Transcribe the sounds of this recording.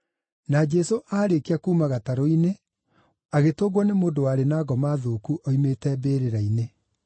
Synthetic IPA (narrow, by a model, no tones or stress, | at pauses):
nad͡ʒɛsoʔaːɾekeakuːmaɣataɾoine | aɣetoɣwɔnemoːdowaɾenaːɣɔmaðoːkuʔɔimetɛbeːɾeɾaine